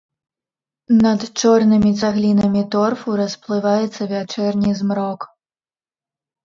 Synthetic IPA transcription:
nɐt̪t͡ʂɔrnɨmʲit͡s̪ʲaɣlʲinɐmʲit̪ɔrfuɾɐsplˠɨvajɛt̪sːɐvʲat͡ʂɛrnʲizmɾɔk

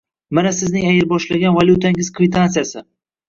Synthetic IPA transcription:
manasɪznɪŋajɪɾbɒʃlaɡʲanvaljut̪ʰaɪŋɪz̥kʰvɪt̪ʰansɨjasɪ

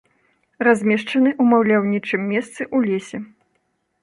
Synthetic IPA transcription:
razʲmʲɛʂt͡ʂɐnɨʔumawlʲawnʲit͡ʂɨmːʲɛst̪sɨʔulʲesʲɛ

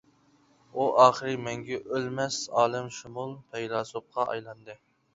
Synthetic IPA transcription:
uʔɑːχəɾɨmɛŋɡʲɛʔølmɛsɑːlˠɨmʃumulˠpʰɛjlɑːsop̚qʰɑʔɑ̰jlˠɑnd̪ɨ

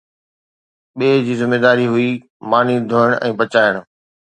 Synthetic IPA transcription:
ɓeːd͡ʑiːzɪmːeːd̪aːɾiɦʊi | maːnid̪ʱoːəɽ̃ʔɛ̃ːbɐt͡ɕaːɪɽ̃

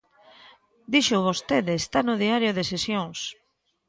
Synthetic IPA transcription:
d̪iʃoβost̪eðɪːst̪anʊðiaɾjʊðesesjoŋs

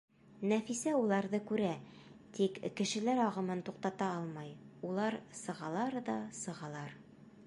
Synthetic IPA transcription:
næfisæulˠɑɾðɤkʉɾæt̪ikːɘ̆ʃɘ̆læɾɒʁɤ̆mɤnt̪uqt̪ɑt̪ɑɑlˠmɑjulˠɑɾsɤ̆ʁɑlˠɑɾd̪ɑsɤ̆ʁɑlˠɑɾ

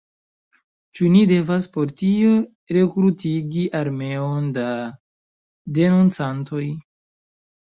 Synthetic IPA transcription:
t͡ʃunide̞vaspo̞ɾtio̞ | ɾe̞kɾutiɡiʔaɾme̞o̞nda | de̞nunt͡santo̞j

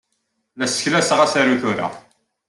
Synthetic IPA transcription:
læsə̥çlæsʁæsaɾuθʊɾa̰

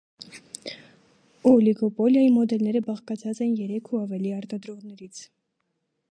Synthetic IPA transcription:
ɔliɡɔpɔljɑjimɔd̪ɛlnɛɾəbɑχkɑt͡sʰɑt͡sɛnjɛɾɛkʰuɑvɛliɑɾt̪ɑd̪ɾɔʁnɛɾit͡sʰ

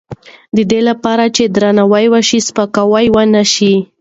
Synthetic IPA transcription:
d̪əd̪elapɑɾat͡ʃed̪ɾanawajwaʃispakawajwanaʃi

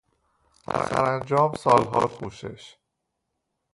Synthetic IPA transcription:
æ̰sæ̰ɾænd͡ʒɒːmsɒːlɦɒ̰ːɾxʰuːʃḛʃ

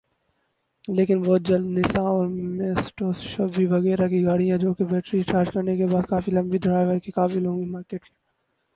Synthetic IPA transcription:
leːkɪnbɔːt̪̚d͡ʒɐld̪nɪsãɔːɾmeːsʈoːsʃɔːbbʱiʋɐɣɛːɾakiɡaːɽijãd͡ʒoːkebɛːʈɾit͡ʃaːɾd͡ʒkɐɾnekebaːd̪kaːfilɐ̃mbiɖ̪ɐɾaːɪʋəɾkikaːfilõːɡimaːɾkeːʈke

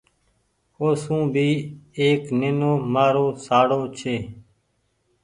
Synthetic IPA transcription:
oːsũːbʱiːeːknɪnoːmaːɾoːsaːɽoːt͡ʃʰeː

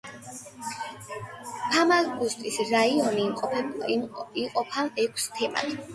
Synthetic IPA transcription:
pʰamalɡust̪ʼisɾaiɔniːqʼɔpʰɛbiqʼɔpʰaɛkʷʰst̪ʰɛma̰t̪ʰ

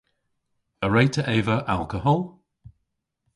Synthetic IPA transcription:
əɹeɪtʰəʔɛːvəʔa̰lˠkəɦɔlˠ

